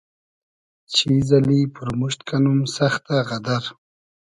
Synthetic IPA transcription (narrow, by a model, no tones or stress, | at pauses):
t͡ʃʰizalipuɾmuʃt̪kanumsaxt̪aʁad̪aɾ